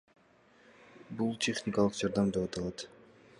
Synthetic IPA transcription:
bulˠtʲʰe̞χnʲɪkɑlˠɯqd͡ʒɑɾd̪ɑmd̪epɑt̪ɑlˠɑt̪

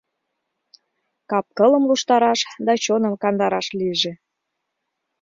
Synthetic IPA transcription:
kɑp̚kələ̆mluʃt̪ɑɾɑʃd̪ɑt͡ɕonəmkɑnd̪ɑɾɑʃliəʒĕ

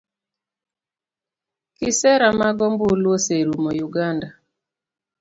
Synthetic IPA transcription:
kɪsɛɾamaɡɔmbolwoseɾumojuɡanda

